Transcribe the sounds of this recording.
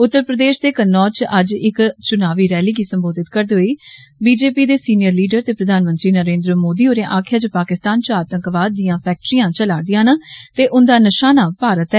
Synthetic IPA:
ʊt̪ːəɾpɾəd̪eːʃd̪eːkənːɔːt͡ʃʔəd͡ʒɪkt͡ʃʊnaːʋiːɾɛːliːɡiːsəmboːd̪ɪt̪kəɾd̪eːɦoiːbiːd͡ʒeːpiːd̪eːsiːnɪjəɾliːɖəɾt̪eːpɾəd̪ʱaːnmə̃nt̪ɾiːnəɾẽːnd̪ɾəmoːd̪iːoːɾẽːʔaːkʰjaːt͡ʃəpaːkɪst̪aːnt͡ʃəaːt̪ə̃ŋkʋaːd̪ːijãːpʰɛːk̚ʈɾijãːt͡ʃəlaːd̪ɪjãːnət̪eːʔʊnd̪aːnəʃaːnaːpaːɾət̪ɛ

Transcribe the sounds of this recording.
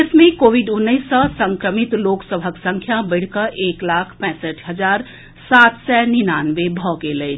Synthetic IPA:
esmẽkoːwiɖʊnːəɪsːəsə̃ŋkɾəmit̪loːksəbʱəksə̃ŋkʰjabəɪɽ̤kəʔeːklaːkʰpɛ̃ːsəʈʰɦəd͡ʒaːɾ | saːt̪sɛninaːnʋebʱɔkelət͡ʃʰ

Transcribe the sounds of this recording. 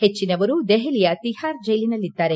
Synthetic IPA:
het͡ʃːinɐʋɐɾud̪ɛɦelijɐt̪ihaːɾd͡ʒejlinɐlːid̪ːaːɾe

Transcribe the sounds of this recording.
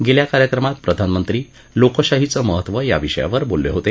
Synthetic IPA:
ɡeljakaɾjəkɾəmat̪̚pɾəd̪ʱanmənt̪ɾiː | lokəɕaɦit͡səməɦət̪ːʋəja̰ʋiɕəja̰ʋəɾbolːḛɦot̪e

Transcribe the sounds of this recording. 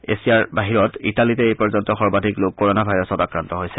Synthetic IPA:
ḛsijaɹbaɦiɹɔtitalitɛejpɔɹzɔntɔxɔɹbadʱiklok̚kːoɹɔnabʱajɹɔsɔtakɹantɔɦojsɛ

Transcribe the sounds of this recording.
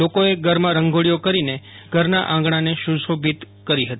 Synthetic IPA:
lokoeɡəɾmãɾəŋɡʱoɭijokəɾine | ɡ̥ʱəɾnaʔãŋɡɳ̃aneʃusobʱit̪ | kəɾiɦət̪ii

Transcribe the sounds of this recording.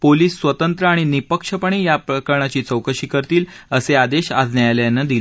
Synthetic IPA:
poliːsːʋət̪ənt̪ɾəaɽ̃inipəkʂəpəɽ̃ejapɾəkəɾɳat͡ɕiːt͡səwkəɕiːkəɾt̪iːl | əsead̪eɕa̰d͡znajaljanːad̪ili

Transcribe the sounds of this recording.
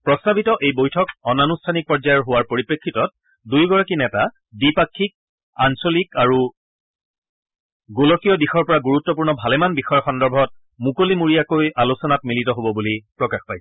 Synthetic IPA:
pɹɔstabʱitɔʔejbojtʰɔkɔnanustʰanik̚pɔɹzajɔɹɦʊwaɹpoɹipɹekʰːitɔt̚ | dujɡɔɹakinɛta | bipakʰːik̚ | ansolikaɹu | ɡolɔkijɔdixɔɹpɔɹaɡuɹutːɔp̬uɹnɔbʱalɛmanbixɔjɔxɔndɔɹbʱɔt̚ | mukolimuɹijakojalusɔnat̚militɔɦobɔbulipɹɔkaxpajsɛ̥

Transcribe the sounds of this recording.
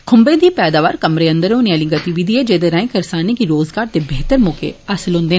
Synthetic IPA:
kʰʊmbed̪iːpɛːd̪aːʋaːɾkɐmɾeə̃nd̪əɾõneɐlĩɡɐt̪iʋid̪ʱied͡ʒeːd̪eɾãːɪ̃kɐɾsaːnikiɾoːzɡaːɾt̪ebeɦt̪əɾmoːkḛɐsəlɦõːnd̪eː

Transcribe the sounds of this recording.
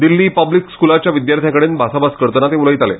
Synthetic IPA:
d̪ilːiːpəblikskulat͡ɕjaʋid̪jaɾt̪ʰjakəɽeːnbʱasabaskəɾt̪ənat̪euləjt̪alḛ

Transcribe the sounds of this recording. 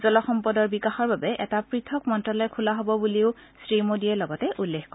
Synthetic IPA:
zɔlɔxɔmpɔdɔɹbikaxɔɹbabɛʔɛ̰tapɹitʰɔkmɔntɹɔlɔjkʰulaɦobɔbuliʊsɹimodiɛlɔɡɔtɛʔulːexkɔɹ

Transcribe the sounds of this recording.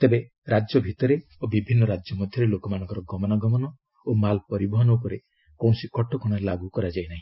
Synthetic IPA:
t̪ebe | ɾad͡ʒjɔbʱit̪ɔɾe | obibʱinːɔɾad͡ʒjɔmɔd̪ʱjɔɾelokɔmanɔ̃ŋkɔɾɔɡɔmɔnaɡɔmɔnɔ | omalpɔɾibɔɦɔnɔwkɔɾe | kõsikɔʈɔkɔɽ̃aɾelaɡukɔɾad͡ʒajnaɦĩ

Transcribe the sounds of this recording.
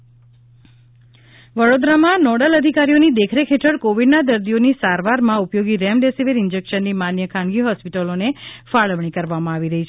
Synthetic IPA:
ʋəɽod̪ɾamãnɔɽələd̪ʱikaɾijonid̪ekʰɾekʰeʈʰəɽkoʋiɖnad̪əɾd̪ijonisaɾʋaɾmãupjoɡiɾemɖesiʋeɾɪnd͡ʒekʃənːimanjəkʰãnɡiɦɔspiʈəlonefaɭəʋɳ̃ikəɾʋamãaʋiɾəɦit͡ʃʰe

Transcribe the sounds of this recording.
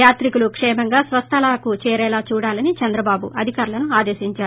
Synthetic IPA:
jaːt̪ɾikulukʂɛːmɐŋɡaːsʋɐst̪ʰɐlakut͡ʃɛːɾɛːlaːt͡ʃuːɽaːlɐnit͡ʃɐnd̪ɾɐbaːbṵʔɐd̪ʱikaːɾulɐnuaːd̪eːʃiɲt͡ʃaːɾu

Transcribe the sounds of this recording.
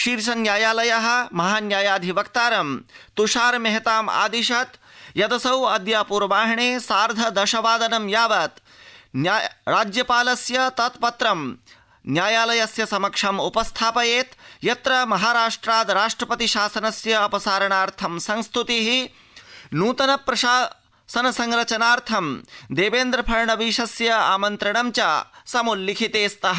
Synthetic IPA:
ʃiːɾʃɐnjaːjaːlɐjɐɦɐ̆mɐɦaːnjaːjaːd̪ʱiʋɐkt̪aːɾɐmt̪uʃaːɾmeɦɐt̪aːma̰ːd̪iʃɐt̪jɐd̪ɐsɐwɐd̪jaːpuɾʋaːɦɐɳeːsaːɾd̪ʱɐd̪ɐʃɐʋaːd̪ɐnɐmjaːʋaːt̪ | njɾaːd͡ʒjɐpaːlɐsjɐt̪ɐt̪pɐt̪ɾɐm | njaːjaːlɐjɐsjɐsɐmɐkʂɐmupɐst̪ʰaːpɐjeːt̪jɐt̪ɾɐmɐɦaːɾaːʂʈɾaːd̪ɾaːʂʈɾɐpɐt̪iʃaːsɐnɐsjɐːpɐsaːɾɐɳaːɾt̪ʰɐmsɐ̃ŋst̪ʰut̪iɦi | nuːt̪ɐnɐpɾɐʃaː | sɐnɐsɐŋɾɐt͡ʃɐnaːɾt̪ʰɐmd̪eːʋeːnd̪ɾɐpʰɐɾɳɐʋiːʃɐsjɐa̰ːmɐnt̪ɾɐɳɐmt͡ʃaːsɐmulːikʰit̪eːst̪ɐɦɐ

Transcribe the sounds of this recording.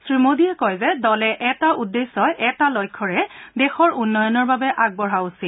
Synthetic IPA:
sɹimodijɛkɔjzɛdɔlɛʔɛtaʔudːesːɔjʔɛtalɔjkʰːɔɹɛdɛxɔɹunːɔjɔnɔɹbabɛʔaɡ̚bɔɹausil

